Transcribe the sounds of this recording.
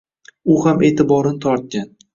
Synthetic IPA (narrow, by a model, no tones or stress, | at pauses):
ʊhame̞ːt̪ɪbɒɾɪnɪt̪ʰɒɾt̪̚kʲan